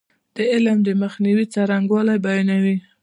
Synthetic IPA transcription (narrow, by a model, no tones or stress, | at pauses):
d̪̥əɪlmd̪əməxniwit͡sɑɾaŋɡwɑlajbajɑnawi